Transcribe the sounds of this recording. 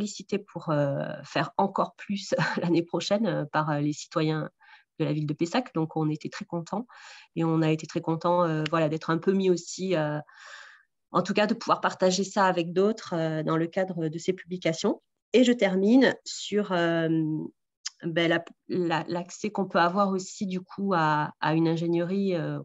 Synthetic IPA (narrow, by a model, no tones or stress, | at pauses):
lisit̪epʰuʁøfɛʁɑ̃kɔʁplysølanepχɔʃɛnøpaʁølesi̥t̪wajɛ̃ | d̪̥əlavild̪əpesakd̪ɔ̃kʰɔ̃net̪et̪χɛkɔ̃t̪ʰɑ̃eɔ̃naet̪et̪χɛkɔ̃t̪ɑ̃øvwalad̪ɛt̪χɛ̃pømiosiø | ɑ̰̃t̪ukad̪əpuvwaʁpaʁt̪aʒesaːvɛk̚d̪ot̪χød̪ɑ̃ləkad̪ʁəd̪əsepyblikasjɔ̃ | eʒət̪ɛʁminsyʁøm | bɛlalalaksɛkɔ̃pøavwaʁosid̪ykʰuaa̰ynɛ̃ʒenjəʁiø